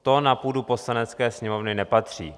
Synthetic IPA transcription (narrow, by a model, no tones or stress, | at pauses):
t̪o̞napuːdupo̞slanɛt̪t͡skɛːsɲɛmo̞vnɪnɛpat̪r̝̥iː